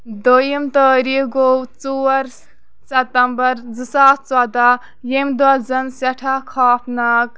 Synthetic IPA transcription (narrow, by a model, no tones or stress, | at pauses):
d̪ojimt̪əːɾiɡowt͡suːɐɾ | sɐt̪ɐmbɐɾd͡zɨsaːt̪t͡sɐd̪a | jemd̪wɐd͡zɐnsɐʈʰakʰaːpʰnɐk̚